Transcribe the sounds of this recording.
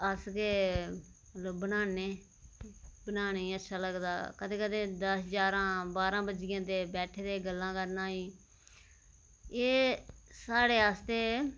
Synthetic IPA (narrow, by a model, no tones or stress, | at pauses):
əskeː | mələbbənaːneː | bənaːneːiːətːʃʰaːləɡd̪a̰ːkət̪eːkəd̪eːd̪əsɦd͡ʒaːɾãːbaːɾãːbəd͡ʒɪjãːt̪eːbɛːʈʰeːd̪eːɡəlːãːkəɾnaːiː | eːsaːɽeːaːst̪eː